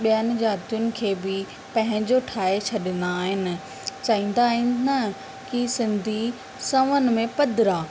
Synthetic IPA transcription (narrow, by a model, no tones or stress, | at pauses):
ɓijənɪ̆d͡ʑaːt̪ijʊnɪ̆kʰeːbɪ | pɐ̃ɦɪ̃ɲd͡ʑoʈʰaːet͡ɕʰɐɗɪnd̪aːɦɪnɪ̆ | t͡ɕaːĩːn̆d̪aːɦɪ̃nnɐ | kisɪ̃nd̪ʱi | sɐ̃ʋənɪ̆mẽpɐd̪ʱɪɾaː